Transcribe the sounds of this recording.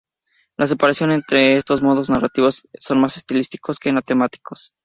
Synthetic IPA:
las̬e̞paɾasjo̞ne̞nt̪ɾe̞est̪o̞zmo̞ðo̞znarat̪iβosso̞nmase̞st̪ilist̪i̥ko̞ske̞mat̪e̞mat̪i̥kʰo̞s

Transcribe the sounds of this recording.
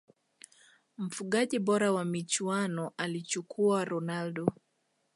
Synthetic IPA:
m̩fuɠaʄiɓɔɾawamit͡ʃuanɔʔalit͡ʃukʰuaɾɔnalɗɔ

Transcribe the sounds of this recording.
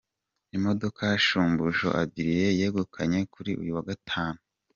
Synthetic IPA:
imo̞do̞kʰajaʃuːmbuʒo̰ʔa̰bɟiɾije̞jeːɡokʰaɲe̞kuɾiʔṵjuwaɡatʰaːnu

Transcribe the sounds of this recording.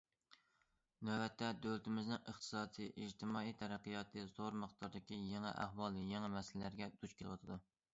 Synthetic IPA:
næbɛt̪ʰːɛd̪ølɪt̪ɪmɪznɪŋəχt̪ʰɨ̥sɑːd̪ɨʔid͡ʒt̪ʰɨmɑːijt̪ʰɛɾæqijɑt̪ʰɨzoɾmɨχt̪ʰɑɾd̪ɪkʲijeŋɛ̰ʔæ̰hwɑlˠjeŋɛmɛsɪllæɾɡʲɛd̪̥ut͡ʃkʲʰelwɑ̰t̪ʰɨd̪u

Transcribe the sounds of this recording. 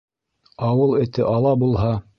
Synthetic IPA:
ɑwɤlˠɘ̆t̪ɘʔɑlˠɑbulˠɦɑ

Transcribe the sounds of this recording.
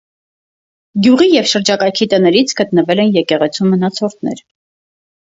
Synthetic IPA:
ɡʲjuʁijɛvʃəɾd͡ʒɑkɑjkʰit̪ənɛɾit͡sʰɡ̥ət̪nəvɛlɛnjɛkɛʁɛt͡sʰumːənɑt͡sʰɔɾt̪ʰnɛ̰ɾ

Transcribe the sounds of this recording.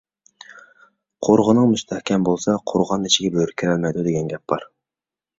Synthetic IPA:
qʰoɾʁənɨŋmyst̪ʰɛhkʲʰɛmbolˠsɑqʰoɾʁɑnit͡ʃʰiɡʲɛbøɾkʲʰiɾɛlmɛjd̪ud̪eɡʲɛnɡʲɛp̚bɑ̰ɾ

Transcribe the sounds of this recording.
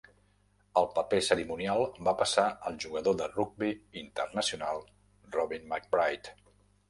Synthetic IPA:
əlˠpəpesəɾimunjalˠbapəsaəlˠʒuɣəðoðəruɡ̚biint̪ərnəsiunalˠ | rɔβinmak̚bɾajt̪

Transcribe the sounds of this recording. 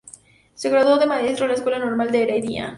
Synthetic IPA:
seɣɾaðoðemaesɾolaeskwelanoɾmald̪eeɾaiðia̰

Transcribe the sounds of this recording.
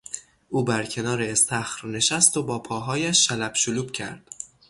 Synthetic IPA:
ʔuːbæɾcʰe̞nɒːɾe̞ːst̪ʰæxɾne̞ʃæst̪obɒːpʰɒːɦɒːjæʃːælæb̥ʃoluːb̥cʰæ̰ɾd̪̥

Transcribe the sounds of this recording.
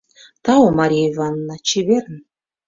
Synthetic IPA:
t̪ɑomɑɾʲijeivɑnːɑt͡ɕeβeɾn

